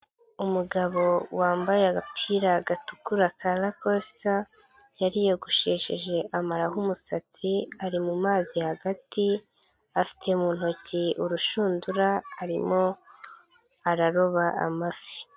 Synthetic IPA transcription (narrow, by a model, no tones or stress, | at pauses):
umuɡaβo̞waːmbajeaɡapʰiɾaɡatukuɾakʰalakossa | jaɾijo̞ɡuʃe̞ːʃḛʒe̞ʔamaɾaɦumusat͡siaɾimumaːzihaɡati | afi̥tʰe̞muːn̥hociuɾuʃuːnduɾahaɾimo̞ | aɾaɾo̞βaʔa̰mafi̥